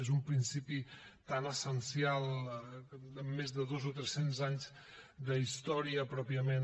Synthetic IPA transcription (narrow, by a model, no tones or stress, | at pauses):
ezumpɾinsipit̪anəsənsialˠ | əmːezðəðozot̪ɾɛsenzaɲz | d̪əist̪ɔɾiəpɾɔpiəmen